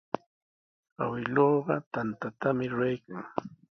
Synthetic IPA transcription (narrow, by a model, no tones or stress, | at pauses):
a̰wɪloːɢɑt̪ant̪at̪amɪɾʊɾajkaŋ